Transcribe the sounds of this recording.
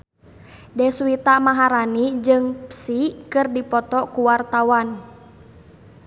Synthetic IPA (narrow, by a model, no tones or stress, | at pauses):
dɛsuit̪amaɦaɾanid͡ʒɨŋpsikɨrdipɔt̪ɔkuwart̪awan